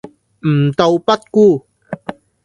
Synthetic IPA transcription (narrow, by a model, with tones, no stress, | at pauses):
m̩˨˩t̪o˧wpɐ˥t̚kuː˥˧